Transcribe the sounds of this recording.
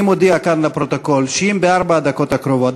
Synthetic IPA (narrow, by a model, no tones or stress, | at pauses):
mod̪iakanlapɾot̪okolʃimbeaɾbad̪akot̪akɾovot̪